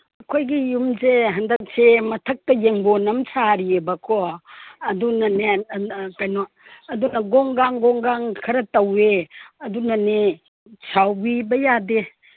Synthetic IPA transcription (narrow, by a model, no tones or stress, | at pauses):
ɐkʰojɡijumzeɦɐndɐk̚semɐtʰɐk̚tɐjeŋbonɐmt͡ʃʰaɾiebɐkʰɔɐdunɐnekajno | ɐdunɐɡɔŋɡaŋɡɔŋɡaŋkʰɐɾɐtɐweɐdunɐne | sʰawbibɐjade